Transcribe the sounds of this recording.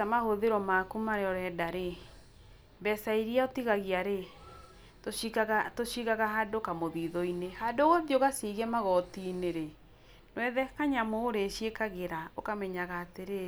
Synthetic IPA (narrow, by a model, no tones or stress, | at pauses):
amahoðeɾɔmakumaɾeɔɾɛdaɾe | mbɛsaiɾiaotiɣaɣiaɾe | toikaɣatoʃiɣaɣaɦadokamoðiːðɔinehadoɣoðioɣasiɣɛmaɣɔtineɾe | nwɛðɛkaɲamoːɾeʃiekaɣeɾaokamɛɲaɣaːteɾe